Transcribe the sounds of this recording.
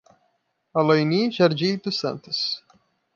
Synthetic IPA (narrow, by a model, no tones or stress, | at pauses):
alojniʒaɾd͡ʒit̪ʊsɐ̰̃nt̪ʊs